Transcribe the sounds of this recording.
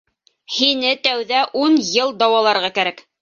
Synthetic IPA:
hinɘt̪æwðæʔunjɤlˠd̪ɑwɑlˠɑɾʁɑkæɾæk

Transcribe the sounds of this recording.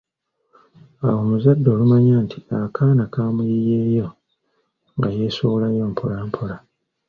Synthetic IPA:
awo̞muzadːo̞ːlumaɲaːntʰiakʰaːnakaːmujijeːjo̞ | ŋɡaje̞ːsolajo̞ːmpʰolampʰola

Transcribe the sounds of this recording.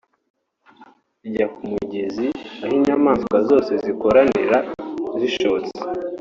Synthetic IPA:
iɟakumuɟeziahiɲamaːnskazo̞ːse̞ziko̞ɾanḭɾaziʃoːt͡se̥

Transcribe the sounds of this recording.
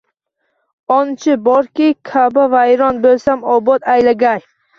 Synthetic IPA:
ɒnt͡ʃʰɪbɒɾkʲikʲʰabavajɾɒnbɵlsamɒbɒt̪ajlaɡʲaj

